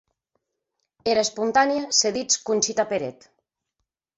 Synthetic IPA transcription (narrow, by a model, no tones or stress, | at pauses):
eɾaespunt̪anjaseðit͡skunʲt͡ʃit̪apeɾet̪